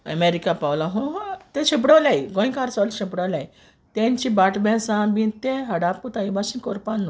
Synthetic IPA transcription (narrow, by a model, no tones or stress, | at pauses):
ə̰meɾikapawlaɦõɦat̪eɕip̬ɽaʋlajɡõj̃kaɾsɔlɕipɽaʋlaj | t̪ẽɲt͡ɕibaʈʰbʱɛ̃sãmĩt̪eɦəɽap̚kut̪aibaɕĩkoɾpanːo